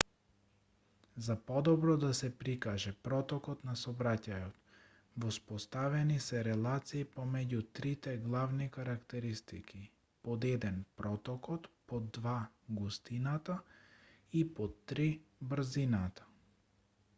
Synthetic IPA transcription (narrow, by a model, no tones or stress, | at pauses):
zapɔd̪ɔbɾɔd̪asɛpɾikaʒɛpɾɔt̪ɔkɔt̪nasɔbɾacajɔt̪ | vɔspɔst̪avɛnisɛɾɛlˠat̪siːpɔmɛɟut̪ɾit̪ɛɡlˠavnikaɾakt̪ɛɾist̪iki | pɔd̪ɛd̪ɛnpɾɔt̪ɔkɔlˠpɔd̪va | ɡust̪inat̪a | ipɔt̪ːɾibɾ̩zinat̪ḁ